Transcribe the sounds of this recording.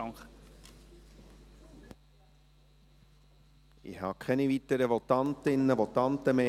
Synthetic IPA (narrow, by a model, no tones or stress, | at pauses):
ŋχ | ɪ̰hɑ̰ːkʰɛnivit̪əɾəʋɔt̪ɑnt̪ɪnːəʋɔt̪ɑnt̪əmeː